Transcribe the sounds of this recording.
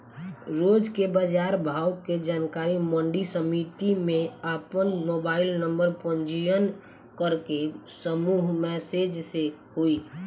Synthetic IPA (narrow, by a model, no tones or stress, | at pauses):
ɾoːd͡ʒkebəd͡ʒaːɾbʱaːwked͡ʒaːnkaːɾimə̃ɳɖisəmit̪imẽapənmoːbaːɪlnəmbəɾpənd͡ʒijən | kəɾkesəmuːɦmɛːsed͡ʒseɦoi